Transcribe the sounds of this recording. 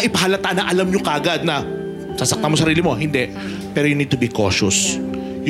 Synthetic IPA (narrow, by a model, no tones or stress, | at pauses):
ʔɪpɐɦaːlɐt̪aʔnɐʔɐlamɲokɐʔɐɡad̪̚nɐ | sasɐk̚t̪amos̬ɐɾiːlɪmo̞ɦɪnd̪ɛʔ | pɛːɾojʊnid̪̚t̪ʊbiko̰ʃʊs | j